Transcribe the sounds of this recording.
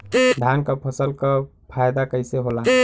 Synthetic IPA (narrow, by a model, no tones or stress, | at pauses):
d̪ʱjankəpʰəsəlkə | pʰajd̪akəɪseɦola